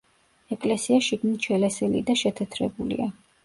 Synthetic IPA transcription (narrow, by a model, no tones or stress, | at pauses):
ɛkʼlɛsiaʃiɡmit͡ʃʰɛlɛsɛlḭd̪aʃɛt̪ʰɛt̪ʰɾɛbulḭa